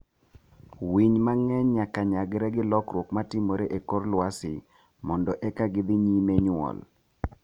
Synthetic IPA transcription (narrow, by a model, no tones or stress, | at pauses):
wiɲmaŋɛɲɲakaɲaɡɪɾɛɡɪlɔkɾwokmatɪmoɾeʔekorlwasɪ | mɔndɔʔekaɡɪd̪ɪɲimeɲʊwɔ̰l